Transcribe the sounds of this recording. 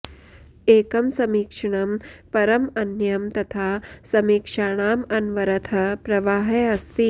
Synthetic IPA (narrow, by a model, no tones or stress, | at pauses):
eːkɐmsɐmiːkʂɐɳ̃ɐmpɐɾɐmɐnjɐmt̪ɐt̪ʰaːsɐmiːkʂaːɳaːmɐnʋɐɾɐt̪ʰɐpɾɐʋaːɦeːɐst̪i